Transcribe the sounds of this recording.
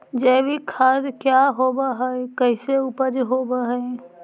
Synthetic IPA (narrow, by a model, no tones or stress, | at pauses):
d͡ʒɛːbikʰaːɾkjaɦoːbaɦɛekɛɪseʊpəd͡ʒɦoːbaɦɛe